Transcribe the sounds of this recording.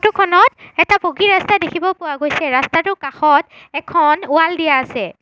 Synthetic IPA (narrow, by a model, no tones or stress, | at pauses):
tʊkʰɔnɔtɛtapoɡiɹastadekʰibɔpʊwaɡojsɛɹastatʊkaxɔt | ɛkʰɔnʊaldijaːsɛ